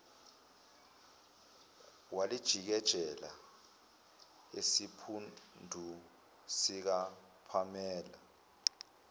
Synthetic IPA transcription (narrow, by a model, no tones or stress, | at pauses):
walid̥ʒ̥ʱik̬ɛd̥ʒ̥ʱɛla̰ | esipʰundʱu | sik̬a | pʰamɛːla